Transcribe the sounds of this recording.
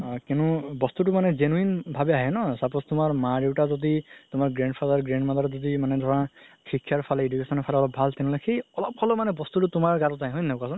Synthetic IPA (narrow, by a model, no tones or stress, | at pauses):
kinubɔst̪ut̬umanɛzenuinbʱabɛaɦɛnɔsapɔst̪umaɹmaɹiwʈazɔditʊmaɹɡɹɛɳɖpʰadaɹɡɹɛɳmadaɹɔzɔdimanɛd̪ʱɔɹã | xikʰːjaɹpʰalɛedukesɔnɔpʰalɛɔlɔp̚bʱalt̪ɛnulakʰejɔlɔp̚kʰɔlɔmanɛbɔst̪ututʊmaɹɡatɔtaɦɛ̃ɦojnakasɔn